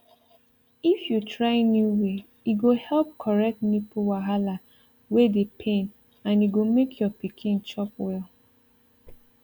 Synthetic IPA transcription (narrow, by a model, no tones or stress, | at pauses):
ifjutɹaɪnjuwe | iɡohɛlp̚kʰɔɹɛk̚tnipuwaɦala | wedepʰẽn | ãnjiɡomekʰjɔpikʰĩnt͡ʃɔpwɛl